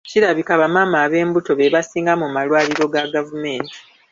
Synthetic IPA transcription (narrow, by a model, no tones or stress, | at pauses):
ciɾaβikaβamaːmaːβe̞ːmbuto̞βeβasiːŋɡamumalwaːliɾo̞ɡaɡavume̞ːnti̥